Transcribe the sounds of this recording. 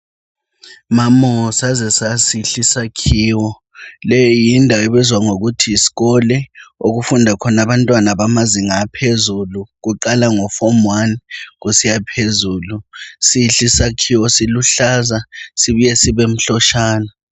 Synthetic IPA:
mamɔsazɛsasiɬisakʰiːwɔ | lɛjɔjindʱaweβɛzwaŋoɣutʰiːsi̥ɣɔlɛoɣufundʱakʰɔnaβantʼwanaβamaziŋapʰezuluɣ̬uǃalaŋɔfɔmwaniɣ̬usijapʰezuːlusiɬisakʰiwɔsiluɬazasiβijɛsiβem̩ɬɔʃaːna

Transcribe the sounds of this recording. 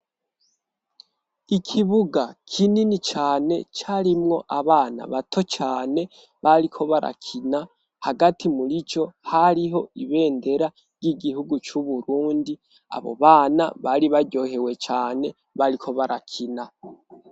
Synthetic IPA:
ikʰiβuɡakʰininit͡ʃaːne̞̰t͡ʃaɾimŋo̞ʔaβaːna̰βatʰo̞t͡ʃaːne̞ | βaɾikʰo̞βaɾʔa̰kʰina | haɡatimuɾit͡ʃo̞haɾiɦo̞iβe̞ːnde̞ɾa | ɾɟiɡihuɡut͡ʃuβuɾuːndi | a̰βo̞̰βaːna̰βaɾiβaɾɟo̞ːhe̞we̞t͡ʃaːne̞ | βaɾikʰo̞βaɾakʰina

